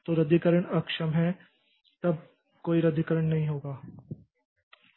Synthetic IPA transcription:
t̪oːɾɐd̪ʱikəɾəɽ̃ɐkʃəmɦɛ | t̪ɐb̚ | koːiɾɐd̪ʱikəɾəɽ̃nɐɦĩɦoːɡaː

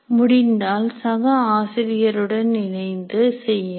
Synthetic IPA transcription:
mʊɽɪnd̪aːlsɐɣɐaːsɪɾɪjɐɾɯɽɐnnɪnɐɪnd̪ɯsɛjːɐ

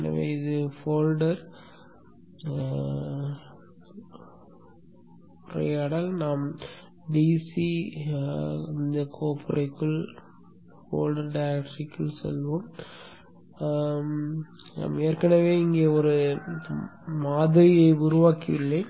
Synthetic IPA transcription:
nɐ̰ʋḛːɪðɯfoːlɖɐɾ | pʊɾɐ̰jɐɽɐlnaːm | ɖisi | ɪnd̪ɐkʰoːpʰɪɾʔɐɪkːɯɭ | fo̰ːlɖɐɾɖɐjɐkʈːɾɪkːɯɭsɛ̰lʋoːm | na̰ːmeːɾkɐɳɐʋeːɪŋɡeːɔɾɯ | maːðɐɾɪjɐɪʊɾɯʋaːkɪɪlːe

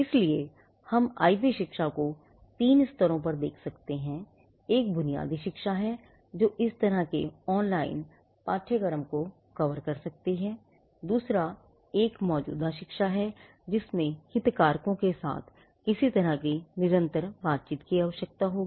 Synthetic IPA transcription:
ɪslie | hɐma̰ːɪpiʃɪkʃako | t̪iːnɪst̪əɾõpɐɾd̪eːkʰsɐkt̪eɦɛ̃ | eːk̚bʊnija̰ːd̪iʃɪkʃaɦɛ | d͡ʒoːʔɪst̪ɐɾəɦkeɔːnlaːɪn | paːʈʰeɡɐɾəmko | kɐʋəɾkɐɾsɐk̚t̪iɦɛ̃ː | d̪uːsɾa | eːkmɔːd͡ʒṵːd̪aʃɪkʃaɦɛ | d͡ʒɪsmẽhɪt̪kaːɾkõkesa̰ːt̪ʰ | kɪsit̪ɐɾəɦkinɪɾə̃nt̪əɾbaːt̪̚t͡ʃiːt̪kiaːʋəʃək̚t̪aɦoːɡiː

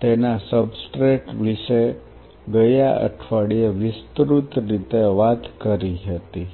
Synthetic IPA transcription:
t̪enasəbsʈɾeʈʋiʃe | ɡəjaʔə̰ʈʰʋaɽieʋɪst̪ɾut̪ɾit̪eʋat̪kəɾiɦət̪i

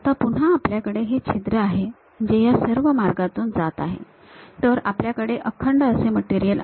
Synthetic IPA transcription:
at̪apuɳ̤ɦaːpljakəɽeɦet͡ɕʰit̪ɾəaɦe | məd͡ʑejasəɾʋəmaɾɡat̪uːnd͡zat̪aɦḛ | t̪əɾapljakəɽeʔəkʰːəɳɖəəseməʈiɾijəl

